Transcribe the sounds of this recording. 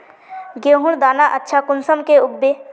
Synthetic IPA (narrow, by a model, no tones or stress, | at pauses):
ɡeːɦʊɽd̪aːnaʔətːʃʰakʊnsəmkeʊbːeː